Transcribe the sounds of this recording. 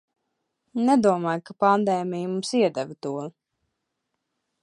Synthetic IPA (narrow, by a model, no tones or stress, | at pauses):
nɛd̪uɔmajkapand̪ɛːmijmumsiɛd̪ɛvt̪uɔ